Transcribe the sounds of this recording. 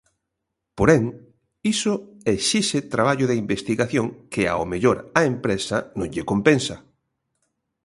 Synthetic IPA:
poɾeŋ | isoeʃiʃet̪ɾaβ̞aʎʊðeimbest̪iɣaθjõŋkɪa̰o̰meʎoɾaempɾesanõŋʎekompensɐ

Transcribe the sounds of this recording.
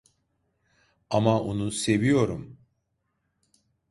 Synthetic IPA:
amaonuse̞vijo̞ɾum

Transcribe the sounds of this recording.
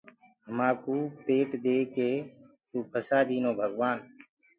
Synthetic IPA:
ɦəmaːkuːpeːʈd̪eːkeː | t̪uːpʰəsaːd̪iːnõːbʱəɡʋaːn

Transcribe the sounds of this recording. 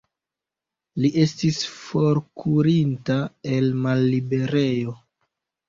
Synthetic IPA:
liʔe̞stisfo̞ɾkʰuɾintae̞lmalːibe̞ɾe̞jo̞

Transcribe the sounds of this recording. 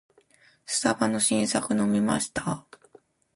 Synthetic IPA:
sɨ̥t̪abano̞ɕĩɰ̃sakɯ̟no̞mʲima̰ɕi̥t̪a

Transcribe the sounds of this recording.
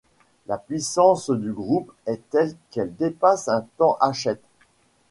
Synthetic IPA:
lapɥisɑ̃sd̪yɡʁupɛt̪ɛlkɛld̪epasɛ̃t̪ɑ̃ʔaʃɛt̪

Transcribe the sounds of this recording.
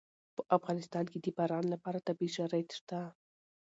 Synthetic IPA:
pəʔafɣɑnɪst̪ɑnked̪əbaɾɑnlapɑɾat̪abiʒaɾajt̪ə̥ʂt̪a

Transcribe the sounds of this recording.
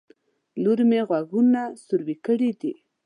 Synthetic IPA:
luɾmeɣwaɡunasʊɾwikəɽid̪i

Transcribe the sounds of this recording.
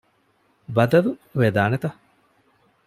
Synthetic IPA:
bɐd̪ɐluʋed̪aːnet̪ɐ

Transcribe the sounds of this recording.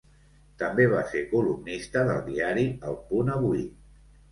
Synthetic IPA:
t̪əmbeβ̞asekulumnist̪əðə̰lˠd̪iaɾiəlˠpunəβui

